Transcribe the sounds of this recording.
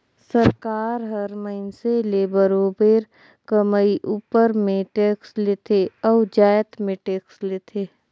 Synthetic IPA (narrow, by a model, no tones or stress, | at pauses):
səɾkaːɾɦəɾməɪnseleːbəɾoːbeːɾ | kəmaiʔuːpəɾmẽʈeːksleːt̪ʰeɔːʋd͡ʒaːjət̪mẽʈeːksleːt̪ʰeː